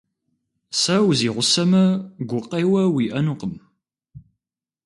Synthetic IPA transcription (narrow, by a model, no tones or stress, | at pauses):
sɐwziːʁʷʊsɐmɐɡʷʊqejwɐwiʔɐnuːqəm